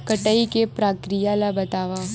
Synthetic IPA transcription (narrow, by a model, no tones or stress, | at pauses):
kɐʈəikepɾaːkɾijalabɐt̪aːʋaː